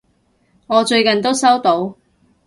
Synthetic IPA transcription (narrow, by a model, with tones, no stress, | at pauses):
ŋɔː˨˧t͡ʃɵ˧ɥkɐ˨nt̪o˥wsɐ˥wt̪o˨˥w